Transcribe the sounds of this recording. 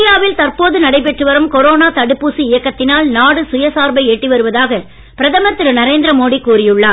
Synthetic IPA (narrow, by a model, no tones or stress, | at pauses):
ɪjaːʋɪlt̪ɐrpoːðɯnɐɽɐɪp̬ɛʈrɯʋɐɾɯmkɔɾoːnaːt̪ɐɽɯpːuːsiɪjɐkːɐt̪ːɪnaːlnaːɽɯsʊjɐsaːɾbɐɪɛʈːiʋɐɾɯʋɐðaːɣɐ | pɪɾɐðɐmɐt̪ːɪɾɯnɐɾeːnd̪ɾɐmoːɽikuːɾɪjɯɭːaː